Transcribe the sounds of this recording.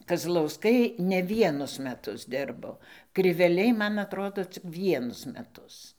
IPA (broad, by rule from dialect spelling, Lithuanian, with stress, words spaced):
kɐzlˠɐʊˈskɐɪ nʲɛ ˈʋʲiɛnʊs mʲɛˈtʊs ˈdʲɪrboː krʲɪʋʲɛˈlʲɛɪ ˈmɐn ɐtˈroːdoː t͡sʲɪk ˈʋʲiɛnʊs mʲɛˈtʊs